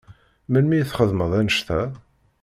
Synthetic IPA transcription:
mænmijθχəðməðˤænəʃθæ

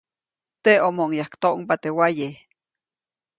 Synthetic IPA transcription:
t̪eomoŋjahkt̪oʔumpat̪ewaje

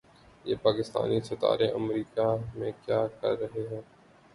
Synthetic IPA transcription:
jeːpaːkɪst̪a̰ːnisɐt̪a̰ːɾeʔɐmɾiːkamẽkjaːkɐɾːɐɦeɦɛ̃ː

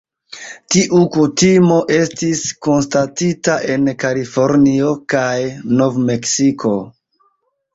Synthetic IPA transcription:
tiʔukutimo̞ʔe̞stisko̞nstatitaʔe̞nkalifo̞ɾnio̞kajno̞vme̞ksikʰo̞

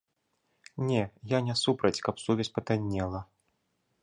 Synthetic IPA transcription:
nʲɛjanʲɛsupɾɐt͡sʲkɐpsuvʲɛsʲpɐt̪anʲːɛlˠɐ

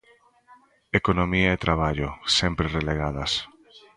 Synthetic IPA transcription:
ekonõmiaet̪ɾʔaβ̞aʎosempɾereleɣ̞að̞as

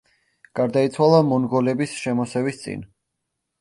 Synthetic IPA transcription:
ɡ̥aɾd̪ait̪sʰwalˠamɔnɡɔlɛbisʃɛmɔsɛvist̪sʼḭn

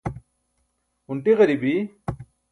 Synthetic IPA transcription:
uɳʈiʁɐɾibi

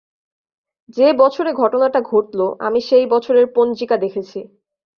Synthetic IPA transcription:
d͡ʑebɔt͡ɕʰoɾeɡʱɔʈonaʈaɡʱoʈloʔa̰miʃejbɔt͡ɕʰoɾeɾpond͡ʑikad̪ekʰet͡ɕʰi

